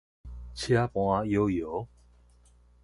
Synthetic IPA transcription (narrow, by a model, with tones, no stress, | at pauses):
t͡ɕʰja˦pw̃a˦jo˦jo˨˦